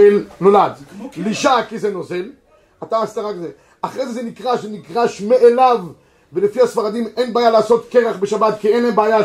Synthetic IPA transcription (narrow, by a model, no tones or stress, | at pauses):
elnolad̪liʃakizeno̞zel | at̪aːst̪aʁakze | aχʁejzezenikʁaʃzenikʁaʃmeʔelavː | elefihasfaʁad̪imenbaːjalaːso̞t̪keʁaχbeʃabat̪kienebeːja